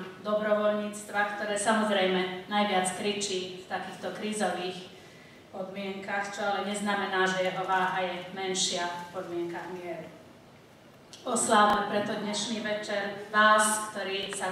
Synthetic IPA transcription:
d̪ɔbɾɔʋɔlɲiːt͡st̪ʋakt̪ɔɾɛːsamɔzɾɛjmɛnajʋɪat͡skɾit͡ʃiːft̪akiːxt̪ɔkɾiːzɔʋiːx | pɔd̪mɪɛŋkaxt͡ʃɔalɛɲɛznamɛnaːʒɛjɛɦɔʋaːɦajɛmɛnʃɪapɔd̪mɪɛŋkaɡɪɛɾ | ɔslaʋnɛpɾɛt̪ɔd̪ɲɛʃniːʋɛt͡ʃɛɾʋaːskt̪ɔɾiːsa

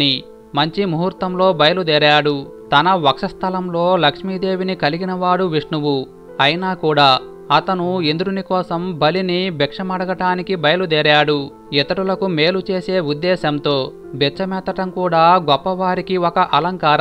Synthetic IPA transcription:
i | mɐɲt͡ʃimuɦuɾt̪ɐmlo̞ːbɐjɐlud̪ɛːɾaːɽut̪ɐnɐʋɐkʂɐst̪ʰɐlɐmlo̞ːlɐkʂmiːd̪e̞ːʋinikɐliɡinɐʋaːɽuʋiʂɳuʋu | ɐjnaːkuːɽaː | ɐt̪ɐnuend̪uɾunikɔːsɐmbɐlinibɛkʂɐmɐɽɐɡɐʈaːnikibɐjɐlud̪ɛːɾaːɽu | it̪ɐʈulɐkume̞ːlut͡ʃe̞ːse̞ːud̪ːɛːʃɐmt̪o̞ː | bɛt͡ʃɐmɛːt̪ɐʈɐmkuːɽaːɡɔpːɐʋaːɾikiɔkɐʔɐlɐŋkaːɾ

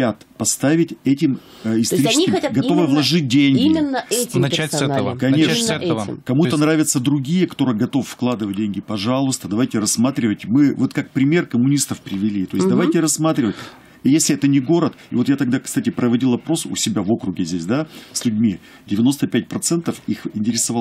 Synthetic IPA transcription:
at̪pɐst̪avʲɪtʲɛtʲɪm | ɪsɐɾit͡ʃskkʲɪmʲɡɐt̪o̞vɨvlˠɐʐɨt̚ʲdʲenʲɡiɪmʲɪnːəɛnɛkɐnʲe | kɐmuənɾavʲɪt̪səd̪ɾʊɡʲijəkɐ̥t̪o̞ɾɨɡɐt̪o̞ffklˠad̪ɨvət̚ʲdʲenʲɡʲɪpɐʐalˠʊst̪əd̪ɐvajtʲɪrɐsmat̪ɾʲɪvətʲmɨvo̞t̪kak̚pɾʲɪmʲe̞rkəmʊnʲist̪əfpɾʲɪvʲɪlʲit̪o̞jɪsʲd̪ɐvajtʲɪɾɐsːmat̪ɾʲɪvətʲ | jesʲlʲɪɛt̪ənʲɪɡo̞ɾət̪ɪvo̞t̪jat̪ɐɡ̚d̪akst̪atʲɪpɾəvɐdʲilˠɐpɾo̞sʊ̰sʲɪbʲavo̞kɾʊɡʲɪzʲdʲesʲd̪asʲlʲʉdʲmʲi | dʲɪvʲɪno̞st̪əpʲæt̚ʲpɾɐt̪sɛnt̪əfixɪnʲtʲɪɾʲɪsɐvalˠ

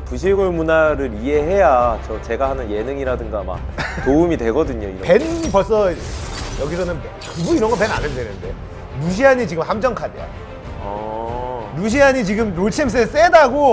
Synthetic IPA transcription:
puɕʰiɭɡoɭmunaɾɯɾie̞ɦe̞jat͡ɕʌt͡ɕe̞ɡaɦanɯnje̞nɯŋiɾadɯŋɡama̰k̚toumidwe̞ɡʌdɯɲoḭɾʌpenpʌs͈ʌ | jʌɡisʰʌnɯnpt͡ɕʌbuiɾʌnɡʌpe̞na̰nɯndwenɯnde̞ | ɾuɕ̬ʰiɦaɲit͡ɕiɡɯmhamd͡ʑʌŋkʰadeja̰ | ʌ | ɾuɕ̬ʰiaɲit͡ɕiɡɯmɾoɭt͡ɕʰiems̬͈ʰɯes͈edaɡo

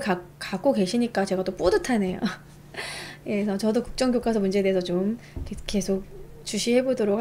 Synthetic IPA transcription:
kakak͈oke̞ɕʰiɲik͈at͡ɕe̞ɡat͈op͈odɯtʰane̞jo̰ | jesʰʌt͡ɕʌdokuk̚t͡ɕ͈ʌŋɡjok͈asʰʌmund͡ʑe̞deesʰʌt͡ɕomkek͈e̞sʰok̚t͡ɕuɕʰiɦe̞bodoɾok

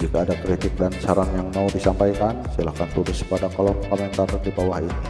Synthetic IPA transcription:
d͡ʒikaːdakɾit̪ɪk̚dant͡ʃaɾanjaŋmaudisampajkansilahkant̪uɾʊskə̥padakalakomɛnt̪ardibawahit̪u̥

